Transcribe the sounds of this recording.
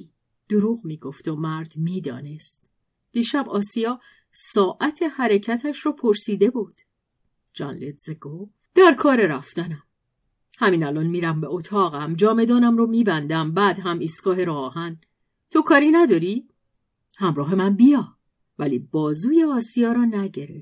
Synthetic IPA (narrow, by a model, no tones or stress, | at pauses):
d̪̥oɾuːɣmiːɡo̞ft̪o̞mæɾd̪̥miːd̪ɒ̰ːne̞st̪ | d̪̥iːʃæbɒːsijɒː | sɒːʔæt̪ʰe̞hæɾecʰæt̪ʰæʃɾɔːpʰoɾsiːd̪e̞bud̪̥ | d͡ʒɒ̰ːnled̪z̥eɡ̥of | d̪̥æɾkʰɒːɾe̞ɾæft̪ænæm | hæmiːnælɒːnmiːɾæmbeot̪ʰɒːɣæmd͡ʒɒːme̞d̪ɒːnæmromiːbænd̪æmbæd̪ɦæmʔiːst̪ɡ̥ɒːɦeɾɔːhæn | t̪ʰo̞kʰɒːɾinæd̪ɒɾi | hæmɾɒːɦe̞mænbijɒː | væliːbɒːzuːjeɒːsijɒːɾɒːnæɟe̞ɾeft̪